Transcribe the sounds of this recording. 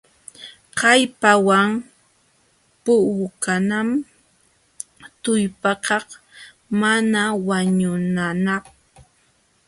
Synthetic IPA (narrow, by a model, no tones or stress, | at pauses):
qɑjpawaŋ | pʊʊkanam | t̪ʊjpɑkɑχ | manawaɲʊnanak